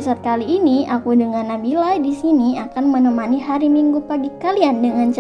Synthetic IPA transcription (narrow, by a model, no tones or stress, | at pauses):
səkaliːniʔakudəŋanːabilajdisiniakanmənəmaniɦaɾimiŋɡupaɡikaliandəŋant͡ʃ